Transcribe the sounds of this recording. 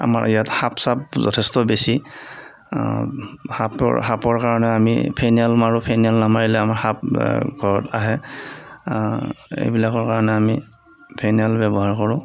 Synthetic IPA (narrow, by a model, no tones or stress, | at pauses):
a̰ma̰ɹijathapsapzɔ̰tʰɛstɔbesi | haphapɔɹkaɹɔnɛamḭpʰenialmaɹupʰenialnamaɹilɛamaɹhap̚ɡʱɔɹɔtaɦɛ | ḛjbilakɔɹkaɹɔnɛami | pʰenialbɛbɔɦaɹkɔɹʊ̃